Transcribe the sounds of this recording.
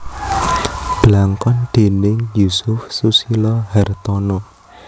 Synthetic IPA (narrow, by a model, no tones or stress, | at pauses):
b̥laŋkɔnd̪̥e̤nɪŋjusʊfsusilɔhɛrt̪ɔnɔ